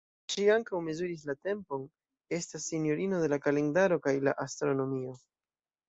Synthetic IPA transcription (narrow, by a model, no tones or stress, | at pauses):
ʃiaŋkawme̞zuɾis̬late̞mpo̞n | e̞stasːinjo̞ɾino̞de̞lakale̞ndaɾo̞kajlaʔastɾo̞no̞mio̞